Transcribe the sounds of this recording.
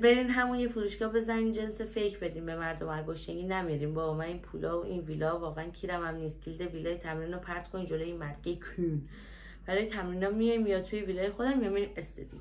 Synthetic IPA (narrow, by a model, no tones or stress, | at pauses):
be̞ɾiːnɦæmunjefuɾuːʃkɒːbe̞zæniːnd͡ʒensefejcʰbe̞d̪iːmbe̞mæɾd̪omæɡoʃeŋɡinæmiɾiːmbɒːbmæniːnpʰulɒːoʔinvilɒːvɒːɣeæncʰiːɾæmæmniːst̪̚ɡild̪e̞viːlɒːjet̪ʰæmɾinopʰæɾt̪kʰonid͡ʒolojinmæɾɡ̥ejkʰun | b̥æɾɒːjet̪ʰæmɾinɒmːijɒjmːijɒt̪ʰujeviːlɒːjexod̪æmijɒmiɾimest̪ed̪ḭ